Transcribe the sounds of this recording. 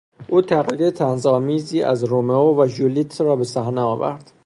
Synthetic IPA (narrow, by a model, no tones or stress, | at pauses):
ʔuːt̪ʰæɣiːɾet̪ʰænzɒːmiːziːʔæ̰zɾomeovæʒulit̪ʰrɒːbe̞sæhneɒːvæ̰ɾd̪̥